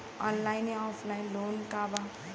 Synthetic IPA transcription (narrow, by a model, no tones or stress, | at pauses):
ɔ̃nlajnɔpʰlajnloːnkaba